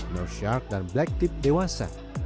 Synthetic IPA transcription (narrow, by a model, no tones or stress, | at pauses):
noʃaɾk̚d̪ãnblɛk̚t̪ip̚d̪ewasa̰